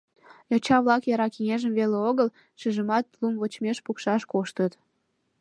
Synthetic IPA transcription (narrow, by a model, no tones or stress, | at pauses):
jot͡ɕɑβlɑkjɑɾɑkiŋeʒəmβeleoɣəl | ʃyʒəmɑt̪lumβot͡ɕmeʃpukʃɑʃkoʃt̪ət̪